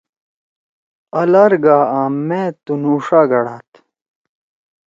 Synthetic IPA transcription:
ɐlɐɾɡaːaːmːeːt̪unuːʂaːɡɐɽaːt̪

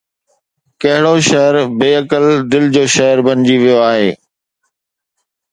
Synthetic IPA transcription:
kɐɦɪɽoʃɐɦəɾbeːɐkəld̪ɪld͡ʑoːʃɐɦəɾbɐ̃nɪd͡ʑiʋijoaːɦeː

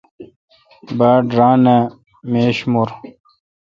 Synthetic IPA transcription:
baːɖɾaːne | meːɕmuɾ

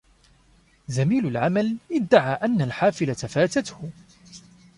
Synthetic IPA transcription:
zamiːlʊlʕamalʔɪd̪ːaʕaːʔanːalħaːfɪlat̪afaːt̪at̪hʊ

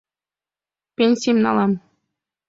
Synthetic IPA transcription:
pʲenʲsʲimʲnɑ̰lˠɑm

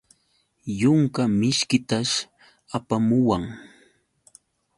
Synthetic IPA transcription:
jʊŋkamɪʃkɪt̪aʃ | apamʊwaŋ

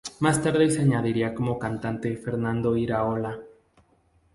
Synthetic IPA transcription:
mast̪aɾðeseaɲaðiɾiako̞mo̞kant̪ant̪e̞feɾnãnd̪o̞iɾaola

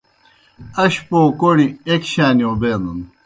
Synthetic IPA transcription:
ɐɕpoːkoɽiekɕaːniobeːnun

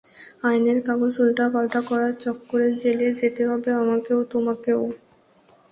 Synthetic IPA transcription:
ajneɾkaɡod͡ʑulʈapalʈakɔɾaɾt͡ɕɔkːoɾeɾd͡ʑeled͡ʑet̪eɦɔbeamakeot̪omakeo

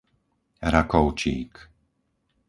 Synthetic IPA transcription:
ɾakɔʊt͡ʃḭːk

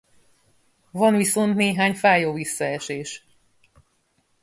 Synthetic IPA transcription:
vɒnʋiso̞nt̪neːɦaːɲfaːjoːvisːɒɛʃeːʃ

